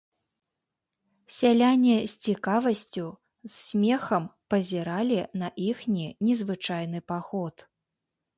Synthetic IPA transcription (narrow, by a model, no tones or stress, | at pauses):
sʲalʲanʲɛsʲt͡sʲikavɐsʲt͡sʲu | ssʲmʲɛxɐmpɐzʲɛɾalʲinɐʔixnʲinʲɛzvɨt͡ʂajn̪ɨpaxɔt̪